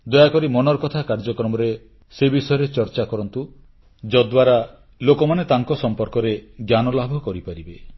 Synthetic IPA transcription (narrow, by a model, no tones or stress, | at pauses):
d̪ɔjakɔɾimɔnɔɾkɔt̪ʰakaɾd͡ʒɔkɾɔmɔɾe | sebisɔjɔɾet͡ʃɔɾt͡ʃakɔɾɔnt̪u | d͡ʒɔd̪waɾa | lokɔmanet̪aŋkɔsɔmpɔɾkɔɾeɡjanɔlabʱɔkɔɾipaɾibe